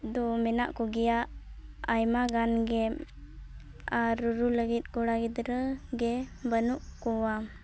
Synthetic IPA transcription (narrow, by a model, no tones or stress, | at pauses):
d̪ɔmɛna̰ʔkɔɡɛjaʔajmaɡanɡɛm | aɾːuɾuləɡit̪̚ˀɡɔɽaɡit̪ɾəɡɛbənuʔkɔwa